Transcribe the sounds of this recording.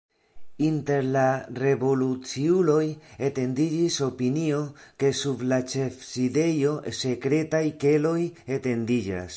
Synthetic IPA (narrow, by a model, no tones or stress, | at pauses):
inte̞ɾlare̞vo̞lut͡siulo̞jete̞ndid͡ʒiso̞pinio̞ke̞sublat͡ʃe̞fside̞jo̞se̞kɾe̞tajke̞lo̞jete̞ndid͡ʒa̰s